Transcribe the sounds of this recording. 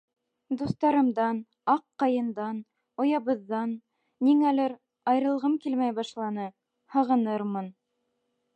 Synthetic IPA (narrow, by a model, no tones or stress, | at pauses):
d̪ust̪ɑɾɤ̆md̪ɑn | ɑqːɑjɤ̆nd̪ɑn | ŏjɑβɤ̆ðːɑnː | iŋælɘɾ | ɑjɾɤ̆lˠʁɤmkilmæjbɑʃlˠɑnɤ | hɤ̆ʁɤ̆nɤɾmɤn